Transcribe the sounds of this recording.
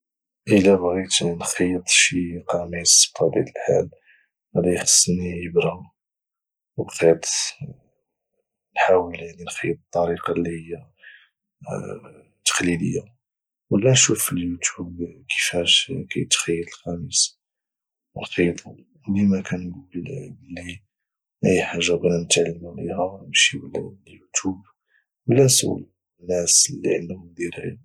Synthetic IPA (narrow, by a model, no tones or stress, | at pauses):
ʔəlæbɣit̪nxɑjət̪ˤʃiqɑmisfɑd̪ḭt̪əlħa̰l | æd̪æjxə̥sˤːnijəbɾɑ | wbxit̪ˤ | nħawəljaʕninxəjt̪̚ˤət̪ˤːɑɾiqɑlːihəjːa | t̪ːə̥xlid̪əjːa | wəlːænʃufəljut̪ubkʰə̥fæʃkæ̰jət̪xəjːəd̪əlxæməs | əlqit̪ˤɑ | wlimækænɡulbəlːi | ʔæjħaʒːabnnət̪ʕalːmulihæbʃiwəlljut̪ub | wəlːæswə̰l | nːæslːiʕənd̪hʊmd̪iɾhæ̰